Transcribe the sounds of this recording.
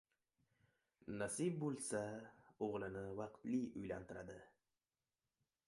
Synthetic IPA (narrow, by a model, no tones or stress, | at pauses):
nasɪb̚bolˠsaoʁlˠɪnɪvɑqt̪lɪjʊjlant̪ʰɪɾad̪ɪ